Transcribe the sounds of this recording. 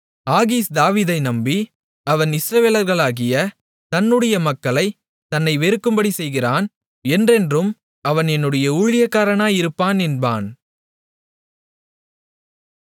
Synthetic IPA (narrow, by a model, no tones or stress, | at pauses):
aːɣiːsd̪aːʋiːðɐɪnɐmbi | ɐʋɐnɪsɾɐʋeːlɐɾɣɐɭaːɣɪjɐ | t̪ɐnːɯɽɐjɐmɐkːɐɭɐɪ | t̪ɐnːɐɪʋɛɾɯkːɯmbɐɽisɛjɣɪraːn | ɛndrɛndrɯm | ɐʋɐnɛnːɯɽɐjɐuːɻɪjɐkːaːɾɐnaːjɪɾɯpːaːnɛnba̰ːn